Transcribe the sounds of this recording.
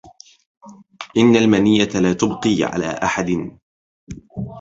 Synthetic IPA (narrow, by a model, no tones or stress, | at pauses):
ʔɪnːalmanɪjːat̪laːt̪ʊbqiːʕa̰la̰ːʔa̰ħad̪ɪn